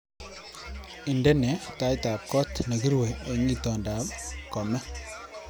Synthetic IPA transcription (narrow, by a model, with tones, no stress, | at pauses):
i˨ndɛ˦nɛ˨ta˦jta˨p̚kɔ˦tna˨ki˦ɾwe˨e˨ŋi˦tɔ˨nda˨p̚kɔ˨mɛ˦